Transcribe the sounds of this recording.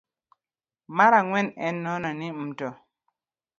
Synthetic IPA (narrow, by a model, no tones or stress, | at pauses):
maɾaŋwɛnɛnːɔnɔnimtɔ